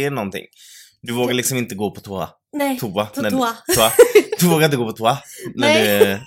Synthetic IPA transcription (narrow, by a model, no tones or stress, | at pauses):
ɳɔnt̪ʰɪ̰ŋː | d̪ɵvoːɡaɭɪksɔmɪnt̪əɡoːpʰɔt̪ʰuːa̰ | t̪ʰuaæuad̪ɵvoːɡaɾɪnt̪əɡoːpʰɔt̪ʰuɾanæɖɵ